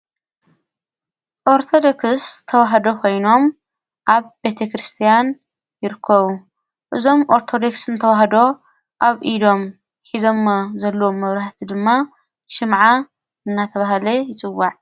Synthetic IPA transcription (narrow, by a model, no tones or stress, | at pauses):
ʔoɾt̪ʰod̪okɨst̪ʰɐwaɦɐd̪o̞kʰo̞jno̞m | ʔaβbe̞t̪ʰekɾɨst̪ʰijan | jɪɾɨkʰːɐβu | ʔɨzo̞mʔo̞ɾt̪ʰo̞d̪o̞ksɨnt̪ʰɐwaɦɐd̪o̞ | ʔaβʔid̪o̞m | ħizo̞mːzɐlːɐwomːɐβɾaħt̪ʰid̪ɨmːa | ʃɨmʕa | ɨnːat̪ʰɐβaɦlɐjɪt͡sʼɨwːaʕ